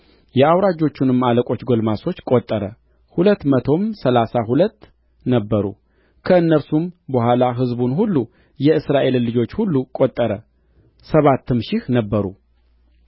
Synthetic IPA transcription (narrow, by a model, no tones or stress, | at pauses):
jɛawɾad͡ʒo̞t͡ʃːunɨmaləkʼo̞t͡ʃːɡolmaso̞t͡ʃːkʼot̪ʼːəɾə | hulət̪ːmət̪ʰo̞msəlasaɦulət̪ː | nəbːəɾṵ | kʰəɨnːəɾsumbəhʷwalaɦɨzbunhulːu | jɛɨsɾaʔe̞llɨd͡ʒo̞t͡ʃːhulːukʼot̪ʼːəɾə | səβat̪ːɨmʃɪhnəbːəɾṵ